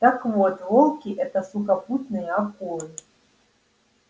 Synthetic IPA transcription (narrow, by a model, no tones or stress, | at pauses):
t̪ɐkvɔt̪vɔlˠkʲiʔɛt̪ɐsukɐput̪nɨjɐakulˠɨ